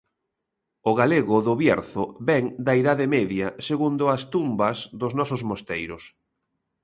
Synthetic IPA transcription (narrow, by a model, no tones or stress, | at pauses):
ʊɣaleɣʊðʊβjɛɾθʊβɛŋd̪aiðaðemɛðjɐseɣund̪ʊast̪umbɐzðʊznɔsʊzmost̪ejɾʊs